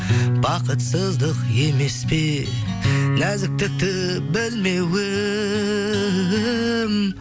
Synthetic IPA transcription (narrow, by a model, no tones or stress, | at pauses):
bɑqət̪səzd̪əqe̞me̞spe̞ | næzɪk̚t̪ɪk̚t̪ɪ | bɪlme̞wɪ | m